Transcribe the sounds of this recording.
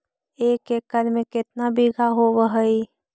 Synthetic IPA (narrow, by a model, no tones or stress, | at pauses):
ekekəɾmeket̪nabiɡʱaɦobəɦəi